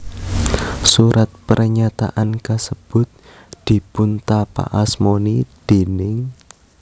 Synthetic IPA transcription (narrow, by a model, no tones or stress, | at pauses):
suɾʔat̪̚pəɾɲat̪a̰ʔankasəb̥ʊ̤t̪̚ | d̪̥i̤pʊnt̪apa̰ʔasmonid̪̥e̤nɪŋ